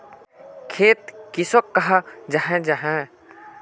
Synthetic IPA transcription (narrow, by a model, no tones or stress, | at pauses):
kʰeːt̪kɪsɔkːɐɦad͡ʒaɦɛ̃d͡ʒaɦɛ̃